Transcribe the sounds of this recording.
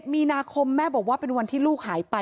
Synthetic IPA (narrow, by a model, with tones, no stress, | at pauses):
t̪̚miː˧naː˧kʰo˧mːɛː˥˩bɔː˨˩k̚waː˥˩pe˧nwa˧nt̪ʰiː˥˩luː˥˩k̚ɦaː˩˦jpa˧